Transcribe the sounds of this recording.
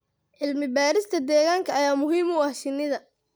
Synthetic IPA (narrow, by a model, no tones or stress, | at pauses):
ʕɪlmɪbaːɾɪst̪ʰɐd̪ɛːɣaːŋkʰɐɐjaːmʊɦiːmʊɐhʃɪnːɪðɐ